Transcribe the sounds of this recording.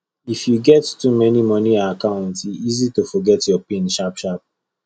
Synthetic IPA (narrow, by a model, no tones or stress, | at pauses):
ifjuɡɛttumɛnimɔ̃niaakãʊ̃ntiizitofɔɡɛtjɔpĩnʃapʃap̚